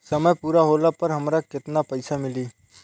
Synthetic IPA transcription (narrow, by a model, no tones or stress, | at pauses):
sɐməjpuːɾaɦoːlapɐɾɦɐmɾakɪt̪napɐɪsamɪliː